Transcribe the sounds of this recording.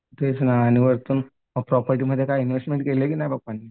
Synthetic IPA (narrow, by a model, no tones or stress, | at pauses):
t̪esnaːñiʋəɾt̪uːn | apɾɔpəɾʈ̬iməd̪ʱjekajinʋesʈmeɳʈkelekiːnajbak̚pani